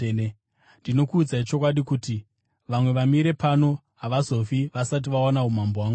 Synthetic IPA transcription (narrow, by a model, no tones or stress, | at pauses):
ndino̞kuːd͡zait͡ʃo̞kwaɗikuti | ʋamwe̞ʋamiɾe̞pano̞ | ɦaʋazo̞fiʋasat̬iʋawanaumambowaːŋɡu